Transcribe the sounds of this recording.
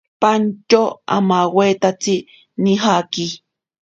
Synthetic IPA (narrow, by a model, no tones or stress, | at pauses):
pant͡ʃoa̰mawet̪at͡si | niɦaki